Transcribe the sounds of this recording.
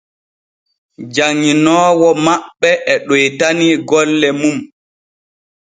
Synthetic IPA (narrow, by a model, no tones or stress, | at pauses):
d͡ʒaŋːinɔːwɔmaɓːɛʔɛɗɔjtaniɡɔlːɛmum